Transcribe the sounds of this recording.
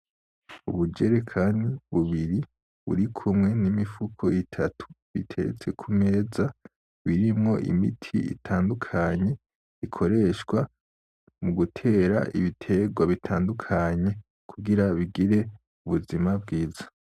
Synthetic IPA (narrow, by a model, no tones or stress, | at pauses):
uβud͡ʒe̞ɾekʰandiβuβiɾi | βṵɾikʰumŋe̞nimifukʰo̞itʰatʰu̥βḭtʰe̞ɾḛt͡se̞kʰumeza | βiɾimŋo̞ʔḭmḭtʰḭḭtʰaːndukʰaɲe̞ | ikʰo̞ɾe̞ʃɡwa | muɡutʰe̞ːɾa̰ʔḭβitʰe̞ɡwaβitʰaːndukʰaɲe̞ | kʰuɡiɾaβiɡiɾe̞ | uβuzimab̚ɡiːz̥a